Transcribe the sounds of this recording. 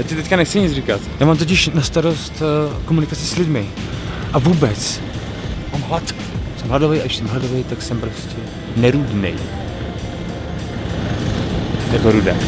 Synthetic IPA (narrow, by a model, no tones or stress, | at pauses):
jacɪt̪ɛckanɛxt͡sɪɲɪt͡srikat̪jaːmaːmt̪̬oc̬ɪʃnast̪aɾo̞st̪komunɪkat͡sɪslɪdmɪʔavuːbɛt͡s | maːmɦlat̪ | sɛmladovɛjʔa̰ɪʃsɛmladovejt̪aksɛmpɾo̞scɛ | nɛɾudnɛ̰j | jakoɾudɛ̰ː